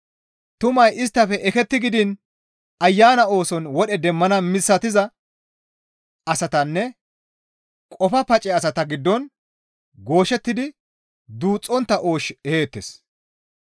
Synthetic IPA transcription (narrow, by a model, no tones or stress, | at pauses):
t̪ʊmɐjɪst̪ːɐfɛʔɛkɛt̪ːɪɡɪd̪ɪn | ɐjːaːnɐo̞ːsɔnwɔɗɛd̪ɛmːɐnɐmɪsːɐt̪ɪzɐ | ɐsɐt̪ɐnːɛ | kʼɔfɐpɐt͡ʃʼɛɐsɐt̪ɐɡɪd̪ːɔn | ɡo̞ːʃɛt̪ːɪd̪ɪ | d̪uːt͡sʼːɔnt̪ːɐʔo̞ːʃɛhe̞ːt̪ːes